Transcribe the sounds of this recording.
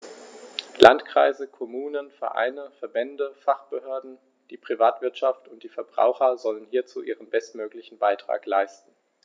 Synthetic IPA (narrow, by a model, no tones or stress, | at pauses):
lantkʁ̥aɪzəkʰɔmuːnənfɛ̰ɐʔa̰ɪnəfɛɐbɛndəfaχb̥əhøːɐdn̩ | d̥iːpʁ̥ivaːtv̥ɪɐtʃaftʊntd̥iːfɛɐbʁa̰ʊxɐzɔlənhiːɐt͡sṵːʔiːʁ̞ənbɛstmøːklɪçn̩baɪtʁ̥a̰ːklaɪstn̩